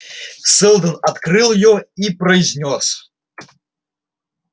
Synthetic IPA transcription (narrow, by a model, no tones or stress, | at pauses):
sɛlˠd̪ɐnat̪kɾɨlˠjɔipɾɐjzʲnʲɔs